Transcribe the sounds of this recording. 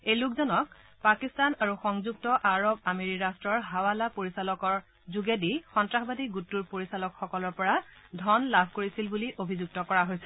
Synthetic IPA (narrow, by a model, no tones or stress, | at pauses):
ejlukzɔnɔk̚ | pakistanaɹuxɔŋzuk̚tɔʔaɹobameɹiɹastɹɔɹɦawalapoɹisalɔkɔɹ | zuɡedixɔntɹaxbadiɡutːuɹpoɹisalɔkxɔkɔlɔɹpɔɹadʱɔnlabʱkoɹisilbuliʔobʱizuɡ̚tɔkɔɹaɦojsɛ